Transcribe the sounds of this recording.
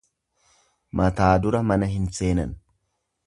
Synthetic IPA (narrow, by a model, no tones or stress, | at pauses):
mɐt̪aːd̪ʊɾɐmɐnɐɦɪnse̞ːnɐ̰n